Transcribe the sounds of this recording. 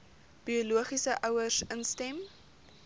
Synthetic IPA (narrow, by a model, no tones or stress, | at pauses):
b̥ioluəχisəʔœwərsənstɛm